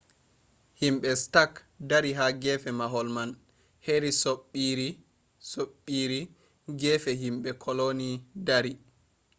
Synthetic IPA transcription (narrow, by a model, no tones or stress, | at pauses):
himɓɛstak | daɾiɦaɡɛfɛmaɦɔlman | heɾisoɓiɾi | soɓːiɾi | ɡɛfɛɦimɓɛkʰɔlonidaɾi